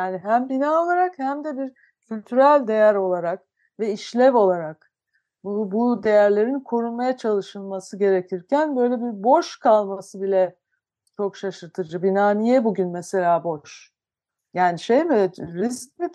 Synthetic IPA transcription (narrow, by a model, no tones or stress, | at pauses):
jjaːniɦæmbinaːo̞lˠaɾakhæmd̪ɛbiɾ | cʰylʲt̪ʰyɾælʲd̪e̞jæɾo̞lˠaɾak | vɛiʃlʲɛvo̞lˠaɾak | bbud̪e̞jæɾlʲe̞ɾinkʰo̞ɾunmajat͡ʃʰalˠɯʃɯlˠmasɯɟe̞ɾecʰiɾcʰænbø̞jlʲɛbiɾbo̞ʃkʰalˠmasɯbilʲɛ | t͡ʃʰo̞kʃaʃɯɾt̪ʰɯd͡ʒɯbinaːnijɛbuɟynmɛse̞lʲaːbo̞ʃ | jaːniʃejmiɾisc̚mi